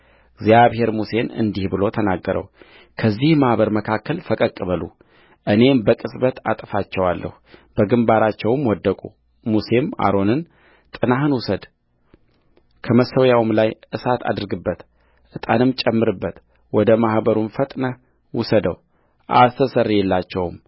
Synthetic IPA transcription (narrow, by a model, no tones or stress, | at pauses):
ɨɡzjaβhe̞ɾmuse̞nɨ̰nd̪ihbɨlo̞t̪ʰənaɡːəɾə̰w | kʰəzːihmahbəɾməkʰakʰːəlfəkʼəkʼːɨβəlṵ | ʔɨne̞mbəkʼɨsbət̪at̪ʼfat͡ʃːɛwalːʔə̰hub̥əɡɨmbaɾat͡ʃːɛwmwɔd̪ːəkʼu | muse̞ma̰ɾo̞nɨn | t̪ʼɨnaɦɨnwʊsəd̪ | kʰəməsːəwjawɨmlajɨsat̪ʰa̰d̪ɨɾɡɨbːət̪ | ʔɨt̪ʼanɨmt͡ʃʼɛmːɨɾɨbːət̪ | wɔd̪əmahbəɾumfət̪ʼnə | wʊsəd̪əw | ʔa̰səsərjɛlːat͡ʃːɛwm